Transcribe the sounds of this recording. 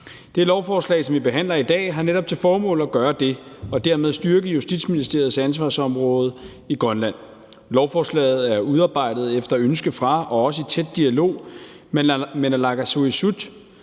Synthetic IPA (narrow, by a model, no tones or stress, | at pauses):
d̥e̝lɒʊfɒːslɛ̰ːsɒ̽mʋib̥e̝ɦæn̰lɐid̥ɛ̰ːɦɑ̈neɾɒ̽b̥̚t͡sʰe̝lfɒːmɔ̰̽ːlɒɡ̥ɶːɐd̥e̝ɒ̽d̥æɐ̰með̞ˠsd̥yɐɡ̥əjusd̥id̥sminisd̥e̝ɐð̞̩ˠsæns̬ʋɑ̈ːsɒ̽mʁɔ̽ːð̞̩ˠ | iɡ̥ʁɶnlæn̰ | lɒʊfɒːslɛ̰ːð̞̩ˠæɐuð̞ˠɑ̈ːb̥ɑ̈ɪ̰d̥ð̞̩ˠefd̥ɐønsɡ̥əfʁɑ̈ɒ̽ɒ̽səit͡sʰed̥ːiælo̝̰ː | menælɑ̈ɡ̥æso̝isud̥